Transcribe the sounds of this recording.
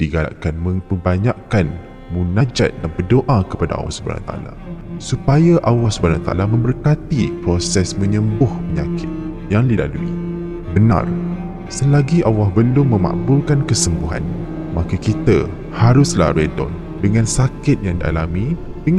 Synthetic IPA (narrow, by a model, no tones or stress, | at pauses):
d̥iɡaʔkanmə̃mpəbaɲakan | munad͡ʒa̰t̪̚danbərdoʔakəpada̰a̰wa̰hsubəa̰na̰t̪aʔa̰la̰supajaʔawahsubanat̪aʔa̰lamə̃mbərkat̪ipɾosɛsmə̃ɲəmbʊhpəɲakʰɪt̪̚ | jaŋdila̰luḭ | bəna̰r | səlaɡiʔawahbəlʊmːə̃ma̰ʔbʊlkankəsəmbuɦa̰n | makakit̪a | haɾʊsla̰hɾɛdɔ̰n | dəŋãnsakɪt̪̚jaŋdia̰lamĩdəŋ